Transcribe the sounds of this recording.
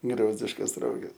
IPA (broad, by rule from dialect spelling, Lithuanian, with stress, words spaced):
ˈɡrʲoːzʲdʲɪʃkɐs ˈroːɡʲɛs